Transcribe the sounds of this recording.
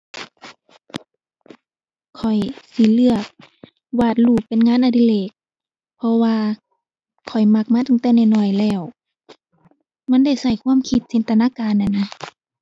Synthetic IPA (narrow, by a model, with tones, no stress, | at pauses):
kʰɔ˨˩jsi˧˦lɯ˧˩ɐək̚ | waː˧˩t̪̚luː˧˩k̚pe˧˨nŋaː˧˥˨nʔa˧˩di˧˨leː˧˩k̚ | pʰɔ˧waː˧ | kʰɔ˨˩jma˧˩k̚maː˧˥t̪a˧˨ŋt̪ɛː˧˩˨nɛ˧˩nɔː˧˩jlɛː˧˩w | ma˧˥˨nda˧˩˨jsa˧˩jkʰu˧˥ə˨mkʰi˧t̪̚se˧˥˨nt̪ʰa˧naː˧˥˨kaː˧˨nʔa˧˩na˧